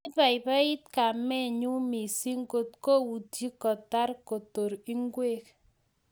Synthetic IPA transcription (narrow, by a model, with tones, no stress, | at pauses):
ba˨ɪ˨ba˦ɪ˦t̪ka˨mɛ˦˨ɲu˦mi˨si˦ŋɡo˦tko˦wu˨ti˦kɔ˨ta˦ɾko˨to˨ɾi˦ŋɡwe˦k